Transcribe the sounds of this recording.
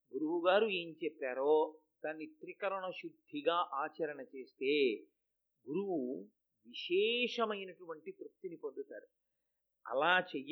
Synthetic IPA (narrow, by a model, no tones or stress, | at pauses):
ɡuɾuwuɡaːɾue̞ːɲt͡ʃɛpːaːɾoː | d̪anːit̪ɾikɐɾɐɳɐʃud̪ʱːiɡaːʔaːt͡ʃɐɾɐɳɐt͡ʃe̞ːst̪e̞ː | ɡuɾuwu | ʋiʃɛːʂɐmɐjnɐʈuʋɐɳʈit̪ɾuk̚t̪inipond̪ut̪a̰ːɾu | ɐ̰laːt͡ʃej